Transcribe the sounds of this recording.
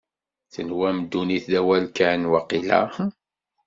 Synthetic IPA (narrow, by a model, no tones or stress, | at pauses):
θənwæmd̪ːuniθðæwælkanwɑqila̰